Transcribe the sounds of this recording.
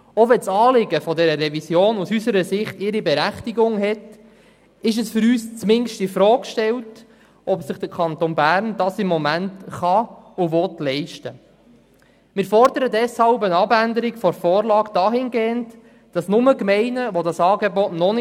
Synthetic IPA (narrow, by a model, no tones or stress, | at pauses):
ɔʋɛnsɑːlɪɡəfɔdɛɾəɾɛvisjoːnusysəɾəsɪχtɪɾibɛɾæχtiɡʊŋɦɛt | ɪʃ̬əsfʏɾyːst͡smɪnʃtifɾɔːkʃtɛlt | ʔɔpsɪχd̥əkʰɑnt̪onbæːɾnd̥ɑsɪmːɔmæntχɑʊʋɔtlɛɪʃtə | mɪːɾfɔɾdəɾədɛshɑlbənɑbændəɾiɡfɔɾfɔːɾlɑːɡd̥ɑːɦɪnɡeːənt | d̥ɑsnʊməkmɛɪnəʋɔdɑsɑːɡebɔtnɔnɪ